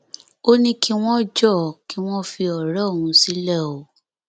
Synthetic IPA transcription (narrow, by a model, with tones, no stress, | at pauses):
o˦nĩ˦ki˦w̃ɔ̃˦d͡ʒɔ˦˨ki˨˦w̃ɔ̃˦fi˧ɔ˨ɾɔ˦˨hũ˨˧si˦lɛ˦˨o˨˦